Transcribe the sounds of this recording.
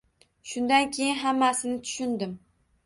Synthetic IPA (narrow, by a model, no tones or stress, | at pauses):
ʃʊnd̪ankʲʰejɪnɦamːasɪnɪt̪ʰʊ̥ʃʊnd̪ɪm